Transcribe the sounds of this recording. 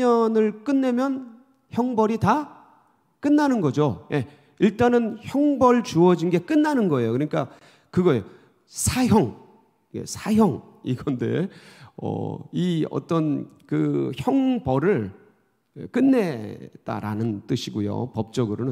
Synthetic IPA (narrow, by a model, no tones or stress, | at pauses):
ʌnɯɭk͈ɯnːe̞mjʌn | çjʌŋbʌɾita | k͈ɯnːanɯnɡʌd͡ʑojʔe̞ | iɭt͈anɯnçjʌŋbʌɭt͡ɕuʌd͡ʑinɡe̞k͈ɯnːanɯnɡʌe̞jokɯɲik͈a | kɯɡʌjo | sʰaçjʌŋ | jḛsʰajjʌŋ | ḭɡʌnde̞̰ʌ̰iʌ̰t͈ʌnkɯçjʌŋbʌɾɯɭ | ḛk͈ɯnːe̞t͈a̰ɾa̰nɯnt͈ɯɕʰiɡujo̰pʌp̚t͡ɕ͈ʌɡɯɾonɯ